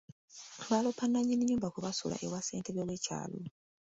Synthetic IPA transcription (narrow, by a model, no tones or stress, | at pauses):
βalopʰanaɲiniɲːuːmbakuβasṵla̰ʔewaseːntʰeβewecʰa̰ːlo